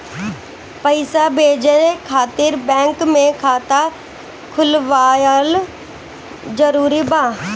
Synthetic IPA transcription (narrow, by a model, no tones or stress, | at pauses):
pɐɪsabeːd͡ʒəkʰaːt̪ɪɾbɛ̃ːŋkmẽkʰaːt̪a | kʰʊlʋaːjəl | zɐɾuːɾibaː